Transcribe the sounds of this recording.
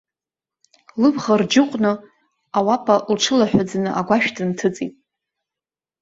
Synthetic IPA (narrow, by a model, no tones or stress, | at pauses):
lɨbʁard͡ʒɪqʷʼnɨ | awapʰʼalʈ͡ʂʰɨlaħᶣad͡znɨʔaɡʷaʃᶣdɨntʰɨt͡sʼḭtʼ